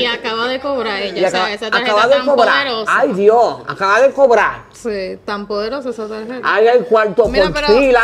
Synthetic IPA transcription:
iakaβaðekoβɾaiakaaakaβaðekoβɾaɾajðjoa̰kaβaðekoβɾaɾ | set̪ampoðeɾosoesat̪aheajajkwalt̪opolsɾila

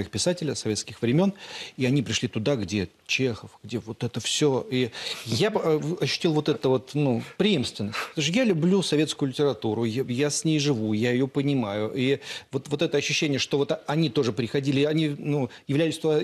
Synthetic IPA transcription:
ixpʲɪsatʲɪlʲəsɐvʲe̞t̪skʲɪxvɾʲɪmʲo̞niɐnʲipɾʲɪʂlʲit̪ʊd̪aɡdʲe̞ | t͡ɕe̞xəfɡ̥dʲe̞vo̞t̪ɛt̪əfsʲoijaɐɕːʉ̥tʲilˠvo̞t̪ɛt̪əvo̞t̪nupɾʲɪimst̪vʲɪnːəsʲtʲpt̪oʂjalʲʊblʲusɐvʲe̞t̪skʊjʊlʲɪtʲɪɾɐt̪uɾʊjjasʲnʲejʐɨvujaɪjo̞pənʲɪmajʊʔivo̞t̪vo̞t̪ɛt̪əɐɕːʉɕːenʲɪjəʂt̪ovo̞t̪ɐnʲit̪o̞ʐɨpɾʲɪxɐdʲilʲɪɐnʲinujɪvlʲæjʲɪsʲt̪

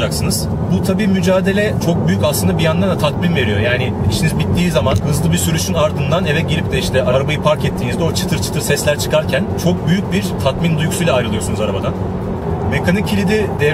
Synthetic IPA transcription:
d͡ʒaksɯnɯz̥ | but̪ʰabiːmyd͡ʒaːd̪e̞lʲɛt͡ʃʰo̞k̚byjycaslˠɯnd̪abijand̪and̪at̪ʰat̪minve̞ɾijo̞jaːnɪit͡ʃʰinizbit̪ʰːiːzamanhɯzlˠɯbiɾsyɾyʃynaɾd̪ɯnd̪anɛvɛt̪̚ɟiɾʲip̚d̪ʰɛiʃt̪ʰɛʔaɾabajɯpʰaɾkɛt̪ʰːiːnizd̪ɛo̞t͡ʃʰɯ̥t̪ʰɯɾt͡ʃʰɯ̥t̪ʰɯɾsɛslʲæɾt͡ʃʰɯ̥kʰaɾcʰænt͡ʃʰo̞k̚byjyc̚biɾt̪ʰat̪mind̪ujycsyjlʲɛːjɾɯlˠɯjosunuzaɾabad̪an | me̞kʰanicʰilʲid̪id̪ɛ

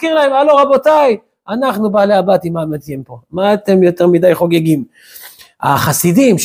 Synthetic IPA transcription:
kiʁlae̞maloʁabo̞taj | anaχnubaːleabat̪imamet̪jempo̞maːt̪e̞mjo̞t̪e̞ʁmid̪ajχo̞ɡeɡim | a̰χasidimʃ

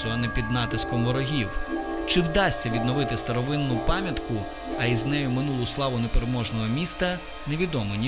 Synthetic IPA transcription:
ɔɐnɛpʲid̪nɑt̪ɪskɔmʋɔɾɔɦʲiw | t͡ʃɪwd̪ɑsʲt͡sʲɐʋʲid̪nɔʋɪt̪ɪst̪ɐɾɔʋɪnːʊpɑmʲjɐt̪kʊ | ɐiznɛjʊmɪnulˠʊslˠɑʋʊnepeɾemɔʒnɔɦɔmʲist̪ɐ | ne̞ʋʲid̪ɔmɪnʲi

